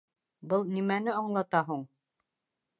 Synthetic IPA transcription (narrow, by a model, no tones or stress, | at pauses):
bɤlˠnimænɘɑɴlˠɑt̪ɑɦuɴ